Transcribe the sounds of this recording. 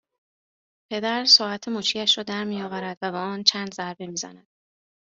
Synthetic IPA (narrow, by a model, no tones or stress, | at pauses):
pʰe̞d̪æɾsɒːæt̪ʰemuːt͡ʃʰiːjæʃɾɒːd̪æɾmijɒːvæɾæd̪̥væbeɒːnt͡ʃʰænd̪zæɾbe̞miːzæ̰næd̪̥̚